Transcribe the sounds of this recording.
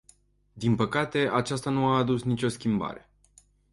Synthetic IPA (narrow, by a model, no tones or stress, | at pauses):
d̪inpəkat̪e̞ʔat͡ʃast̪anuaːd̪usnit͡ʃʲo̞skʲimba̰ɾe̞